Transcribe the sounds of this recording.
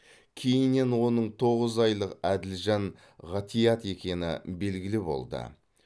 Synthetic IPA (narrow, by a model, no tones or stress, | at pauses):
kʲʰe̞jɪnːe̞nwo̞nəɴt̪ʰo̞ʁəzɑjlˠəqæd̪ɪlʒɑɴ | ʁɑt̪ijɑt̪e̞kʲe̞nɪ̰be̞lɡʲɪlɪbo̞̰lˠd̪ə̰